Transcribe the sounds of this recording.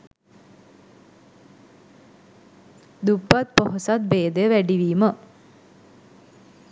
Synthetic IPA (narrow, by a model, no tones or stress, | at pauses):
d̪upːat̪̚poɦosat̪̚beːd̪əjəʋæɖiʋiːmə